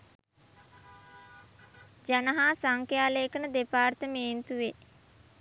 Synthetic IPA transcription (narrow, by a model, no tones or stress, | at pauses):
d͡ʒanəɦaːsaŋkjaːleːkənəd̪epaːrt̪əmeːnt̪uʋe